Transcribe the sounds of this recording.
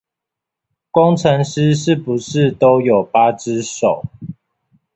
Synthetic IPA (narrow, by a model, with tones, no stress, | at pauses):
kwɔ˥˦ŋʈ͡ʂʰə˧˦˥ŋʂɻ̩˦ʂɻ̩˥˩pu˨˦ʂɻ̩˥˨t̪o˦ʊjo˨˩ʊpa˦ʈ͡ʂɻ̩˦ʂo˨˩˦ʊ